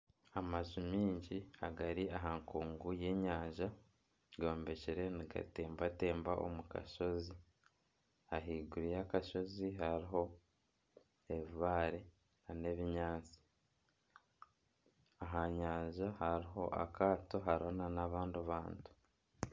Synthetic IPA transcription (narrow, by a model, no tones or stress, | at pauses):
amaʒumiːɲɟiaɡaɾiʔaɦaŋkuːŋɡuje̞ɲaːɲʒa | ɡo̞ːmbe̞ceɾe̞niɡa̰te̞ːmbate̞ːmbaʔo̰muka̰ʃo̞zi | aɦiːɡuɾijakaʃo̞ziɦaɾiɦo̞ | eβaːɾe | ane̞βiɲaːt͡si̥ | aɦaɲaːɲʒahaɾiɦo̞ʔa̰kaːto̞ɦaɾonanaβaːnduβaːntu̥